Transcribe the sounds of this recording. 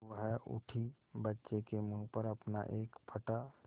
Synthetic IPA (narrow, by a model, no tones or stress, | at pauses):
ʋəɦʊ̰ʈʰi | bətːʃekemũːpəɾɐpna̰ʔeːkpʰəʈa